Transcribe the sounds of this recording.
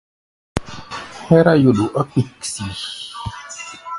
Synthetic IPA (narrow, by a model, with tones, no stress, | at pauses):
hɛ˦ɾa˦jo˨ɗu˨ʔa˦ki˨ksi˨